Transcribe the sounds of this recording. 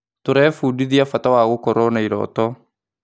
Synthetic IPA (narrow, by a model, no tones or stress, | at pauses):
toɾɛfuːdiðiafatawaːɣokɔɾɔnaiɾɔ̰ːtɔ